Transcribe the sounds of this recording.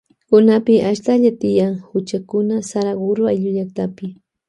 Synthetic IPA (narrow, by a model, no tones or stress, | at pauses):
kʊnapɪʔaʃt̪aʎat̪ɪjaŋhʊt͡ʃakʊnasaɾaɡʊɾwajʎʊʎakt̪apɪ